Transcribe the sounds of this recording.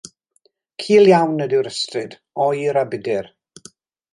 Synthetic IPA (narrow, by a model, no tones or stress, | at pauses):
kʰiːlˠjawnədɪwɾəstrɪd | ɔjiɾabɪdɪr